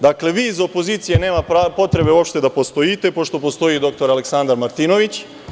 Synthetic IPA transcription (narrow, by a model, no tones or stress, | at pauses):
d̪akle̞ʋiːizopo̞ziːt̪sije̞ne̞ːmapɾapo̞t̪ɾe̞be̞uopʃt̪e̞d̪apo̞st̪ojit̪e̞po̞ʃt̪o̞po̞st̪o̞jid̪o̞k̚t̪o̞ɾale̞ksand̪aɾmaɾt̪ino̞ʋit͡ɕ